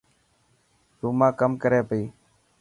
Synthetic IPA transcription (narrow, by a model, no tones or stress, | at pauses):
t̪uːmãːkəmkəɾeːpəiː